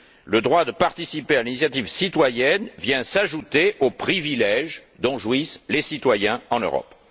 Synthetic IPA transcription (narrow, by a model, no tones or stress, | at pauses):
ləd̪ʁwad̪əpaʁt̪isipealinisjat̪ivsit̪wajɛnvjɛ̃saʒut̪eʔopχivilɛʒ | d̪ɔ̃ʒwislesit̪wajɛ̃ɑ̃ø̰ʁɔ̰p